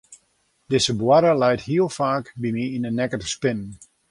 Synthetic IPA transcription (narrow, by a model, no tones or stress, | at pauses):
dɪsəbwaɾəlɛjthiəlˠfaːkbimiinənːɛkətspɪnən